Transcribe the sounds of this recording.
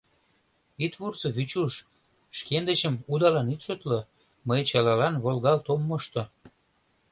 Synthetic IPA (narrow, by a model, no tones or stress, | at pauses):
it̪βurt͡səβyt͡ɕuʃ | ʃkend̪ət͡ɕəmud̪ɑlɑnit̪ʃøt̪lə | məjt͡ɕɑlɑlɑnβolɣɑlt̪omːoʃt̪o